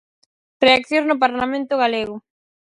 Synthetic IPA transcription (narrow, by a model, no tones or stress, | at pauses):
reakθjõznʊp̬aɾlamẽnt̪ʊɣaleɣʊ